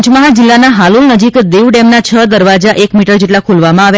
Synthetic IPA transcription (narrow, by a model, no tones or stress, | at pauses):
t͡ʃməɦad͡ʒɪlːanaɦalulnəd͡ʒikd̪eʋɖemnat͡ʃʰəd̪əɾʋad͡ʒaʔekmiʈəɾd͡ʒeʈlakʰulʋamãaʋ